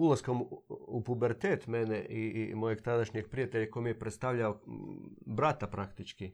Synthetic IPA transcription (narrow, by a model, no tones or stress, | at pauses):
ulˠaskomupubeɾt̪eːt̪meneʔḭmo̞jeɡt̪ad̪aʃɲeɡ̚pɾijat̪eʎakojmijepɾet̪st̪aʋʎao | bɾat̪apɾakt̪it͡ʃki